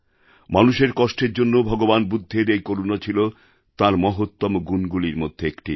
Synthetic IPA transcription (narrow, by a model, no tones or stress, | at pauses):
manuʃeɾkɔʃʈeɾd͡ʑonːobʱɔɡobanbud̪ʱːeɾejkoɾunat͡ɕʰilo | t̪aɾmɔɦot̪ːomoɡunɡuliɾmod̪ʱːeekʈḭ